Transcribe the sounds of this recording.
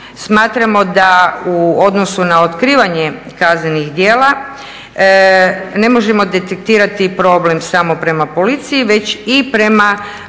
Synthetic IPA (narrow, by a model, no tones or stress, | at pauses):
smaːt̪ɾamo̞d̪auo̞d̪nosunao̞t̪kɾiːʋaɲe | kazne̞nixd̪je̞ːla | ne̞mo̞ʒe̞mo̞d̪e̞t̪ek̚t̪iːɾat̪ipɾo̞ble̞msamo̞pɾe̞mapo̞lit̪sijiʋe̞t͡ɕipɾe̞ma